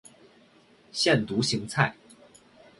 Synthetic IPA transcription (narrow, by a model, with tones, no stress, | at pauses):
ɕjɛ˥˨nt̪u˨˦ɕi˧˥ŋt͡sʰa˥˩ɪ